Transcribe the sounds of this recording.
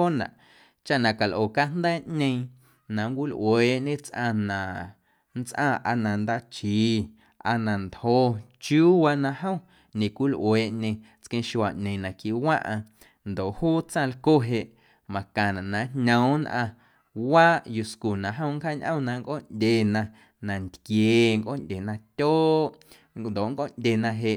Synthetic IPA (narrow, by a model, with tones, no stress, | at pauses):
o˦nã̰˨ʔ | t͡ʃa˦ʔnã˨ka˨lʔoː˨ka˦nd̪ɛː˦ʔɲẽ˧ĩ˧ | nã˨ŋkʷi˦lʔweː˨ʔɲẽ˦t͡sʔã̰˧nã˨ | n˦t͡sʔã̰˦˧ʔa˧nã˨nd̪a˦t͡ʃiː˨˦ | ʔa˧nã˨nt̪hoː˧ | t͡ʃjuː˦wa˧nã˧ɦə̃˦ | ɲẽ˨kʷi˦lʔweː˨ʔɲẽ˧ | t͡skẽ˧˦ʃwa˨ʔɲẽ˨nã˨ki˧wã̰˦ʔã˧ | nd̪o˨ʔhuː˦t͡sã˦˧˨lko˦ɦe˧ʔ | mã˨kã˨nã˨nã˨nɲə̃˨˦nʔã˧ | waː˦ʔju˧sku˨nã˨ɦə̃˦˧˦ŋkhaː˦ɲʔə̰̃˦˨nã˧ŋkʔo˦ndʲe˨nã˧ | nã˨nt̪kjeː˨ŋkʔo̰˦˨ndʲe˨nã˧tʲoː˦ | nd̪o˨ʔŋkʼoː˦˨ndʲe˨nã˧ɦe˧˨ʔ